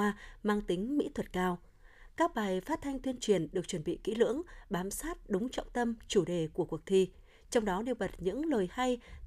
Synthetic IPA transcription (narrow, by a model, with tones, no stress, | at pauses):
aː˧maː˧ŋt̪ï˨˦ŋ̟mḭ˧˥t̪ʰwə˨˩t̚kaː˧w | kaː˦˥k̚ɓaː˨˩jfaː˦˥t̚t̪ʰa˧jŋ̟t̪i˧ənt͡ɕwi˨˩ənɗɨ˨˩ək̚t͡ɕwə˧˩nɓḭ˧˨kḭ˧˥lɨ̰˧˥əŋɓaː˨˦msaː˦˥t̚ɗʊ˨˦ŋ͡mt͡ɕɔ̰˧˨ŋ͡mt̪ə˧mt͡ɕu˧˩ɗe˨˩ku˧˩əku˨˩ək̚t̪ʰi˧ | t͡ɕɔ˧wŋ͡mɗɔ˨˦ɗi˧wɓə˨˩t̚ɲɨ̰˧˥ŋləː˨˩jha˧j